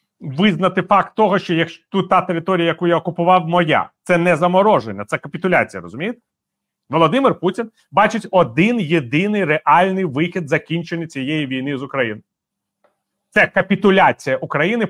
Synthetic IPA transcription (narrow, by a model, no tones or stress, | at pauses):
ʋɪznɐt̪ɪfɑkt̪ːɔɦɔʃt͡ʃɔjɐkʃt̪ut̪ɑt̪eɾɪt̪ɔɾʲijɐjɐkujaɔkʊpʊʋɑwmɔja̰t̪sɛnɛzɐmɔɾɔʒenʲːɐt̪sɛkɐpʲɪt̪ʊlʲa̰t͡sʲijɐɾɔ̰zʊmʲijɪt̪ | ʋɔlˠɔd̪ɪmɪrputʲin | bɑt͡ʃɪtʲɔd̪ɪnjed̪ɪnɪjreʔɑlʲnɪjʋɪxʲid̪zɐkʲinʲt͡ʃenʲːɐt͡sʲijejiʋʲijn̪ɪzʊkɾɐjinɪ | t̪sɛkɐpʲit̪ʊlʲat͡sʲijɐʔʊkɾɐjinɪ